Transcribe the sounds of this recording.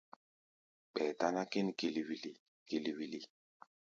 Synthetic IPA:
ɓɛ˨ta˦na˦ki˦n˨ki˨li˨wi˨li˨ | ki˨li˨wi˨li˨

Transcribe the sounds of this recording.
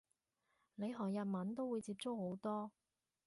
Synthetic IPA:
le˨˧jɦɔː˨˩ŋjɐ˨t̚mɐ˨˥nt̪o˥wu˨˧jt͡siː˧p̚t͡sʊ˥k̚ho˨˥wt̪ɔː˥

